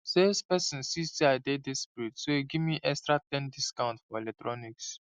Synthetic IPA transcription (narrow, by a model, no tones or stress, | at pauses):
sespɛsɔ̃nsistiadedɛsputsoeɡivmiʔɛkstɹatɛ̃ndiskãʊ̃ntfɔelɛk̚tɹɔniks